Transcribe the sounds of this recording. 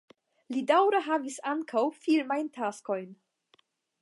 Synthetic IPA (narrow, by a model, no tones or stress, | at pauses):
lidawɾaɦavisaŋkʰawfilmajntʰasko̞jn